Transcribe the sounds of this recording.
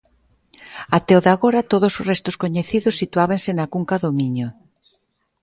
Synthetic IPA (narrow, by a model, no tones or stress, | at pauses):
at̪ɛoðaɣoɾat̪oð̞osozrest̪ʊskoɲeθiðʊsit̪uaβensɪnakuŋkaðomiɲo